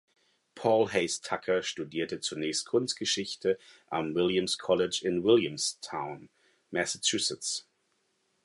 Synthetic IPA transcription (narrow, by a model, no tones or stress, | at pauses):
pʰɔːlɦeɪstʰakʰɐʃtudiːɐtət͡suɐnɛːçst̚kʰʊnst̚ɡ̥əʃɪçtʰəʔamwɪljamskʰɔlɪd͡ʒɪnwɪljəmstʰaʊn | mɛsat͡ʃʰʉːsɪt͡s